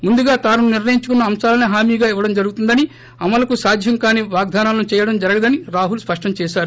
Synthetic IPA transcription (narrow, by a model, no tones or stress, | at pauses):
mund̪uɡaːt̪aːnununiɾnɐjiɲt͡ʃukunːɐːmsaːlɐniɦaːmiːɡaːiʋːɐɽɐmd͡ʒɐɾuɡut̪und̪ɐni | ɐmɐlɐkusaːd̪ʱjɐŋkaːniʋaːɡ̚d̪ʱaːnaːlɐnut͡ʃɛːjɐɽɐmd͡ʒɐɾɐɡɐd̪ɐniɾaːɦulspɐʂʈɐmt͡ʃɛːʃaːɾu